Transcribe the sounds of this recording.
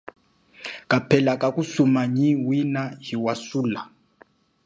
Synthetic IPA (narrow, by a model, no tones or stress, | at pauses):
kʼapʰɛlakʼakʼusumaɲiwinaɦiwasuːla